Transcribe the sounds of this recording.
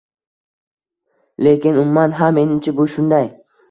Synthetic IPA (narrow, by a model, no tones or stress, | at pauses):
le̞kʲɪnʊmːanɦamːe̞nɪmt͡ʃʰɪbʊʃʊnd̪aj